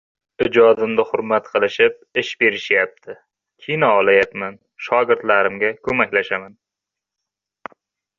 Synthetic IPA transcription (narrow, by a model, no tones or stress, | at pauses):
ɪd͡ʒɒd̪ɪmd̪ɪhʊɾmat̪qʰɨlˠɪʃɪp̚ | ɪʃbe̞ɾɪʃjap̚t̪ʰɪ | kʲʰijnaɒlajapman | ʃɒɡʲɪɾt̪laɾɪmɡʲakʰɵmakʲlaʃaman